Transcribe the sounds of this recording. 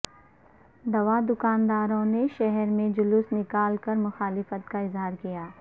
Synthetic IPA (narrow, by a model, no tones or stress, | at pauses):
d̪ɐʋad̪ʊkaːnd̪aːɾõneʃɛɦɛɾmẽd͡ʒʊlʊsnɪkaːlkɐɾmʊxaːlɪfət̪kaɪzɦaːɾkijaː